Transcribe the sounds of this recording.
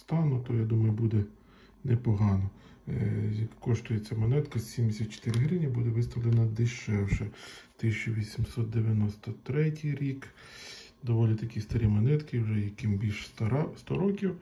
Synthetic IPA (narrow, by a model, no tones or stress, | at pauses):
st̪ɑnʊt̪ɔjad̪umɐjʊbud̪ɛ | nɛpɔɦɑnɔ | kːɔʃt̪ʊjet͡sʲamɐnɛt̪kɐsʲsʲimd̪esʲɐt̪t͡ʃe̥t̪ɪɾɪɦɾɪnʲibud̪ɛʋɪst̪ɐʋlˠenɐd̪ɪʃɛwʒɛt̪ɪsʲɐt͡ʃɔʋʲisʲimsɔt̪̚d̪eʋʲjɐnɔst̪ɔt̪ɾɛtʲijɾʲik | d̪ɔʋɔlʲit̪ɐkʲist̪ɐɾʲimɐnɛt̪kɪwʒɛjɐkɪmbʲilʲʃsɑst̪ɔɾɔkʲiw